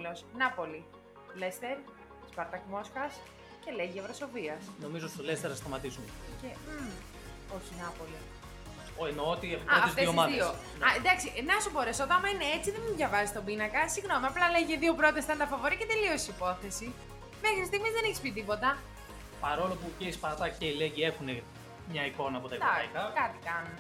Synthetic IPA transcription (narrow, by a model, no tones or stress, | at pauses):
losnɐpo̞li | lest̪eɾ | spɐɾt̪ɐkmo̞skɐs | ce̞leʝievɾoso̞viɐsno̞mizost̪olest̪eɾɐst̪ɐmɐt̪isunce | oçinɐpo̞li | soenoot̪iepoɐoezt̪esiomɐðio | ɐend̪ɐksiʔnɐsubo̞ɾesot̪ɐɐmɐineet͡siðemiðʝɐvɐzist̪o̞binɐkɐsiɣno̞miɐplɐleʝeðio̞pɾo̞t̪est̪ɐnd̪ɐfɐvo̞ɾicet̪elio̞sipo̞θe̞si | me̞xɾist̪iɣmizðe̞neçispit̪̬ipo̞t̪ɐ | pɐɾo̞lo̞puceispɐt̪ɐceileɟie̞xune̞ | mɲɐiko̞nɐːpo̞t̪ɐɐjkɐkɐt̪i̥kɐn